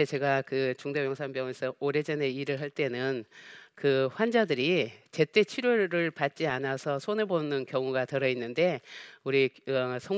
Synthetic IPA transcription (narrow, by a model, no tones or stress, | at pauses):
et͡ɕe̞ɡakɯt͡ɕuŋdejʌŋsʰaŋbjʌŋesʰʌʔoɾe̞d͡ʑʌne̞iɾɯɭɦaɭt͈e̞nɯnkɯɸwand͡ʑadɯɾit͡ɕe̞t͈e̞t͡ɕʰiɾjoɾɯɭpat̚t͡ɕ͈ianasʰʌsʰonebonɯnkjʌŋuɡatɯɾʌinːɯnde̞uɾisʰʌŋ